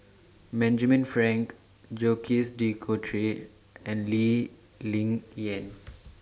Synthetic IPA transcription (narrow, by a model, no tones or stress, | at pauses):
bɛ̃nd͡ʒəmĩnfɹɛ̃ŋk | d͡ʒokʰisdikʰotʰɹi | ɛ̃nli | lĩŋɛ̃n